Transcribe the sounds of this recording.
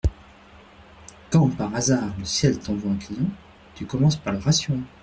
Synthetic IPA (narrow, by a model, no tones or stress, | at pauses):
kɑ̃paʁazaʁləsjɛlt̪ɔ̃vwaɛ̃klijɑ̃ | t̪ykɔmɑ̃spaʁləʁasjo